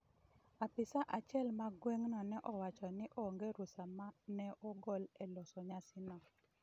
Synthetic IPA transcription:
apɪsaʔat͡ʃɛlmaɡweŋnɔnɛʔɔwat͡ʃɔnɪʔɔŋɡeɾusamanɛɔɡɔlɛlɔsɔɲasɪnɔ

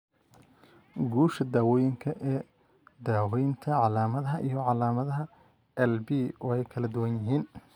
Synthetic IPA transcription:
ɡuːʃɐd̪aːwɔːjɪŋkʰɐʔɛː | d̪aːwɔːjɪnt̪ʰɐʕɑlaːmɐðɐɦɐʔijɞʕɑlaːmɐðɐɦɐ | ɛlbiːwɛjkʰɐlɐd̪ʊwɐnjɪɦiːn

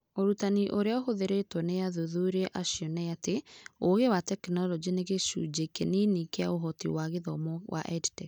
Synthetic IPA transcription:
oɾutaniʔoɾeaoɦoðeɾetwɔneaðuðuɾeʔaʃiɔnɛjateoɣewatɛkinɔlɔd͡ʒineɣeʃṵd͡ʒekḛninikeaoɦɔtiwaɣeðɔmɔwʔa̰ʔɛditɛ

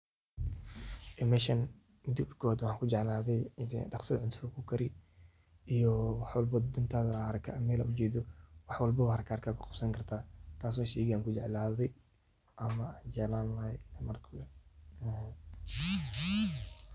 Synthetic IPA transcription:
ʔɪmɛʃɐn | mɪd̪ɪkʰɔwaːd̪wɑħɑːŋkʰʊd͡ʒɛʕlaːðɛjɖɑqsɐdʕɪnt̪ʰɐɐkʰʊkʰɐɾɪ | ʔijɔwɑħwɑlbɐd̪ɪnt̪ʰaːðɐɾkʰa̰mɛlɐ̰ʊt͡ʃɛːd̪ɔwɑħwɑlbɐwaɐɾɐkʰaːɾkʰaːkʰʊqɑ̥bsɐŋkʰɐrt̪ʰaːt̪ʰaːs̬wɔːʃɛːɣɪaːŋkʰʊd͡ʒɛʕlaːðɛj | ʔɐmɐːnd͡ʒɛʕlaːnlɐlɛmɐrkʰː

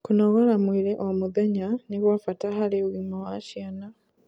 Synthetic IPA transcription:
kunoɣalamwiːɾeʔomuðaɲaniβwafatahaleβwimawaʃjana

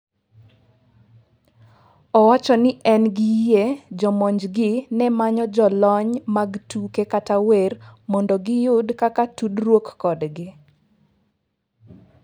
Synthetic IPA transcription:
ɔwat͡ʃɔnɪʔɛnɡɪjed͡ʒɔmɔɲd͡ʒɡɪnɛmaɲɔd͡ʒɔlɔɲmaɡtukekatawermɔndɔɡɪjʊdkakatudɾwokːɔdɡɪ

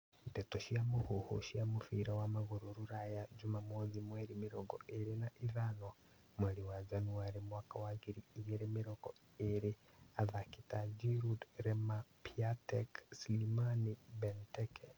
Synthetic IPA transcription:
itetoʃiamuhoho̰ʃiamufiɾawamaɣoɾoɾuɾajad͡ʒumamwoðimweɾimiɾoɡoeɾinaʔiðano | mweɾiwad͡ʒanuaɾimwaːkawaɣiɾiːɣeɾemiɾoɡo̰ | eɾi | aðakitad͡ʒiɾudɾemapiateksilimanibenteke

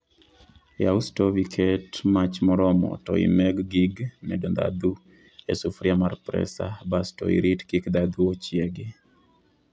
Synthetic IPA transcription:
jaustovikʰetmat͡ʃmɔɾɔmɔ̰tɔḭmɛɡɡiɡmɛdond̪a̰d̪u | esufɾiamarpɾɛ̰sa̰bastɔ̰ḭɾitkikd̪ad̪uot͡ʃjeɡɪ

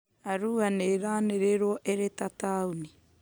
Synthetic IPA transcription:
aɾuːaneɾaːneɾeɾoʔeɾetatauni

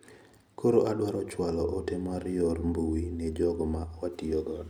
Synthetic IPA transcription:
kʰoɾoadwaɾɔt͡ʃwalɔʔːtemaɾjɔɾmbuwinɛd͡ʒɔɡɔmawatiɔɡɔ

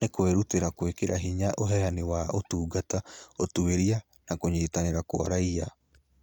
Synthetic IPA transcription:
ekweɾuteɾakwekeɾʔaɦiɲaʔoɦɛanewaotuːɡataotueɾia | nakoɲeːtaneɾako̰a̰ɾaia

